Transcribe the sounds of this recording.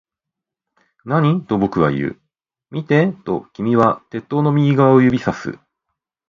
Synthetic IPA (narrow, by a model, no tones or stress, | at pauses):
naɲ̟it̪o̞bo̞kɯ̟βa̰ijɯ̟̰ː | mʲit̪e̞t̪o̞kʲimʲiβat̪e̞t̪ːo̞ːno̞mʲiɡʲiɡaβaojɯ̟bʲisasɨ̰